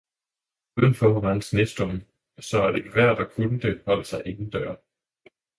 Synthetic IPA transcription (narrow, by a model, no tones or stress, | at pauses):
uð̰ˠn̩fɒʁɑnsnesd̥ɔm | sɒ̽æɐd̥eɡʰʋæɐ̰d̥ɒkʰunəd̥e̝hɒ̽l̰əsɑ̈ɪʔe̝ŋn̩d̥ɶɐ̰